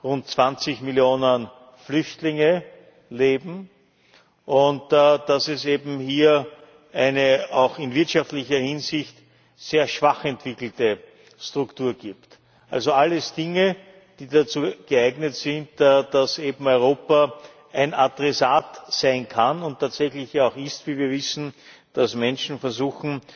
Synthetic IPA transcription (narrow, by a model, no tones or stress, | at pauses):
ʁʊnt̚t͡sv̥ant͡sɪçmɪljoːnən | flʏçtlɪŋə | leːbm̩ | ʔʊntːd̥asɛseːbm̩hiːɐ | ʔæɪnəɑʊxɪnvɪɐtʃaftlɪçɐhɪnzɪçt | z̥eːɐʃv̥aχɛntv̥ɪkl̩tə | stʁʊktuːɐɡ̥iːpt | ʔa̰lzoalːəsd̥ɪŋə | d̥iːdat͡suːɡ̥əæɪɡnətsɪntːd̥aseːbm̩ɔʏʁ̞oːpa | ʔæɪnadʁɛsaːtz̥æɪnkʰanʊntʰːaːtz̥ɛçlɪçjaɔʊxɪstviːviːɐvɪsn̩d̥asmɛnʃn̩fɛɐzuːxn̩